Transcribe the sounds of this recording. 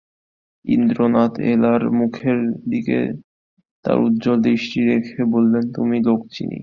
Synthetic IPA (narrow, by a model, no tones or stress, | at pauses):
ḭnd̪ɾonat̪elaɾmukʰeɾd̪ikḛ | t̪a̰ɾut̪ːd͡ʑold̪ɾiʃʈiɾekʰebolːent̪umilok̚t͡ɕḭnḭ